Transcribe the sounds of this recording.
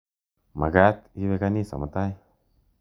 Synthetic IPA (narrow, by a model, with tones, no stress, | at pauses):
ma̰˨ɡa˦t̪i˦βe˦ka˦ni˦sa̰˨ma˨t̪a˦j